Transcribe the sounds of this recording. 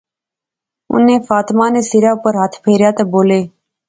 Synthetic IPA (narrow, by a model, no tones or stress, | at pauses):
ʊ̰nẽːfaːt̪maːneːsiɾjaːpəɾɦat̪ʰpʰeːɾjaːt̪eːboːleː